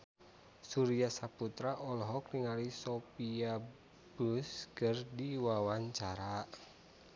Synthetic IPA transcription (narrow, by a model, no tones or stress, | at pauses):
suɾiasaput̪ɾaʔɔlɔɦɔk̚niŋalisopia | buskərdiwawaɲt͡ʃaɾa